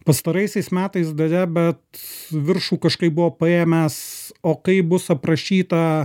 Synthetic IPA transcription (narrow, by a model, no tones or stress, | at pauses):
pɐst̪ɐɾɐɪsʲɛɪsmʲæːt̪ɐɪsd̪ɐɾʲɛbʲɛt̪ʋʲɪɾʃuːkɐʃkɐɪp̚bʊʋoːpɐeːmʲɛsoːkɐɪbʊsɐpɾɐʃʲiːt̪ɐ